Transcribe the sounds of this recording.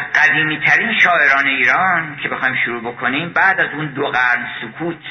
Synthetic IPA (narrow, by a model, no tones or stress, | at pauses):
ɢ̥æd̪iːmiːt̪ʰæɾiːnʃɒːʔe̞ɾɒːne̞iːɾɒːncʰe̞bexɒːjmʃuɾuːbo̞kʰo̞niːmbæʔd̪æzuːnd̪oɣæɾnsukʰuːt̪ʰ